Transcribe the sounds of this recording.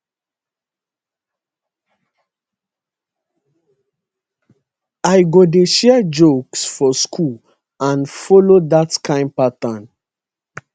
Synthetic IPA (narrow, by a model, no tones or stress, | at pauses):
aɪɡodeʃɛad͡ʒoksfɔskʰul | ãnfɔlodatkʰãɪ̃npatãn